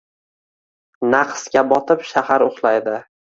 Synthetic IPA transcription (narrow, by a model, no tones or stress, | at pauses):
naqʰskʲabɒt̪ʰɪpʃahaɾʊχlˠajd̪ɪ